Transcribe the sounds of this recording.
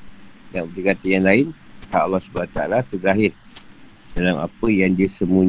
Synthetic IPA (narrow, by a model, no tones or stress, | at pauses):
daŋdiɡat̪ijanlaɪn | h̪aʔalːɑhsubanat̪aa̰lat̪əɡzaɦɪr | d̥alama̰pəjaŋdiasəmũɲ